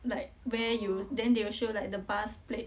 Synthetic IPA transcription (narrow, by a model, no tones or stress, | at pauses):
laɪkwɛjudɛ̃ndewəʃolaɪk̚dəbasple